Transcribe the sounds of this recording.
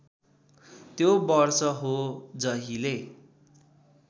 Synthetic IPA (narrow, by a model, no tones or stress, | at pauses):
t̪jobʌrsʌɦod͡zʌɦile